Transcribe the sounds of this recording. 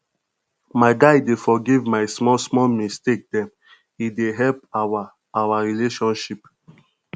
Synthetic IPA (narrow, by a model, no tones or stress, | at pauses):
maɪɡaɪdefɔɡivmaɪsmɔsmɔlmistek̚dɛ̃m | ideɦɛlpaa | awaɹileʃɔ̃nʃip